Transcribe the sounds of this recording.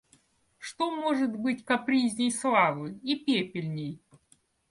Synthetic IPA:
ʂt̪omoʐɨt̪bɨtʲkɐpɾʲizʲnʲɪjslˠavɨjipʲepʲɪlʲnʲɪj

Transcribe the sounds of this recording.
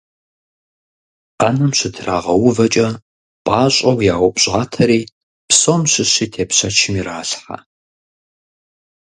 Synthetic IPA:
ʔanɐmɕɪtʰra̰ːʁɐwʊvɐt͡ʃʼɐ | pʼɑːɕʼɐwjaːwʷʊpʼɕʼaːtʰɐɾiː | psomɕɪɕiːtʰeːpɕɐt͡ʃʰɪmiɾaːɬħa̰

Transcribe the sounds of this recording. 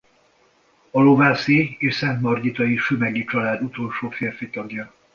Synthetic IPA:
ɒlovaːsieːʃsɛnt̪mɒrɟit̪ɒjiʃymɛɡit͡ʃɒlaːd̪ut̪o̞lʃoːfeːrfit̪ɒɡjɒ

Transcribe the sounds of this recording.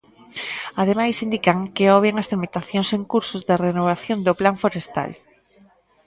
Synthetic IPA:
að̞emajsind̪ikaŋkeɔβeŋast̪eɾmit̪aθjonseŋkuɾsʊzðɪrenoβ̞aθjõnd̪oplaɱfoɾest̪a̰l

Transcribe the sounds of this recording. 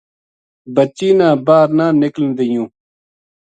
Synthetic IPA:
bət͡ɕːiːnãːbaːɾnãːnɪklnd̪ijũː

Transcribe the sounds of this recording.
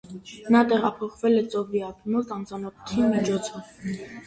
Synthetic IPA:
nɑt̪ɛʁɑpʰɔχvɛlɛt͡sʼɔviɑp̪ʰumɔt̪ɑmt͡sɑnɔkʰu̥t̪ʰimit͡ʃʰɔt͡sʰɔv

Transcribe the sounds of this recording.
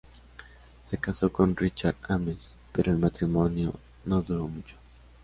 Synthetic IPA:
se̞kaso̞konrit͡ʃaɾd̪amespeɾʔoelmat̪ɾimonjo̰ | noðuɾomut͡ʃo̥

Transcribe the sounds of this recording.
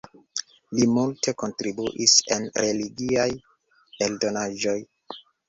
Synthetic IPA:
limultʰe̞ko̞ntɾibuʔise̞̰nɾe̞liɡiaj | eldo̞naʒo̞j

